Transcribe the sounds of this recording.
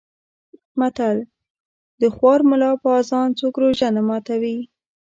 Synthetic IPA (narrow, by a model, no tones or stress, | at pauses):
mat̪al | d̪əxwɑɾmʊlɑpəɑzɑnt͡sokɾoʒanamɑt̪awi